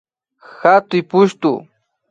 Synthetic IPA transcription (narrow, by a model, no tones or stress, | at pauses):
xat̪ʊjpʊʃt̪ʊ̰